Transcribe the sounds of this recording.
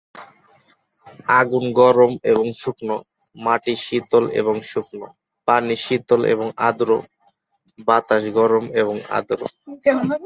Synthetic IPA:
aɡunɡɔɾomeboŋʃukno | maʈiʃit̪olḛβoŋʃukno | paniʃit̪olʔḛβoŋa̰d̪ɾo | bat̪aʃɡɔɾomeβoŋa̰d̪ɾo̰

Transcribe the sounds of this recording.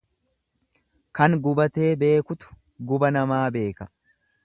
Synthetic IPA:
kɐŋɡʊbɐt̪e̞ːbe̞ːkʊt̪ʊ̥ | ɡʊbɐnɐmaːbe̞ːkɐ

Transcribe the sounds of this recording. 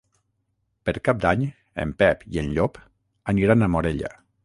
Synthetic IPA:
pəɾkap̚d̪aɲ | ə̰mpɛpiənʎop | əniɾanamoɾeʎə̰

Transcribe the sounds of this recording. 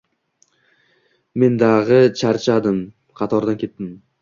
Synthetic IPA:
me̞nd̪aʁɨt͡ʃʰaɾt͡ʃʰad̪ɪm | qʰɑt̪ʰɒɾd̪ankʲʰe̞t̪ːɪm

